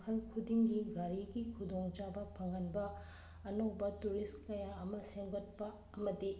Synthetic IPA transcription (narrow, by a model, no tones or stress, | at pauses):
kʰɐlkʰudiŋɡiɡaɾiɡikʰudoŋt͡ʃabɐpʰɐŋɐnbɐː | nowbɐtuɾiskɐjaɐmɐseŋbɐt̚pɐ | ɐmɐdi